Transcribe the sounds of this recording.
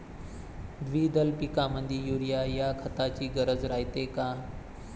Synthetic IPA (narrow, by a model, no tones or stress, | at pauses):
d̪ʋiːd̪əlpikamənd̪ʱijuɾijajakʰət̪at͡ɕiːɡəɾəd͡zɾajt̪eka